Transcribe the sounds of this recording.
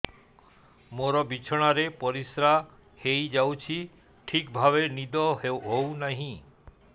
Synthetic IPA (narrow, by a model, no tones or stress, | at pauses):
moɾɔbit͡ʃʰɔɽ̃aɾepɔɾisɾa | hejd͡ʒawt͡ʃʰi | ʈʰikbʱaβenid̪ɔɦownaɦĩ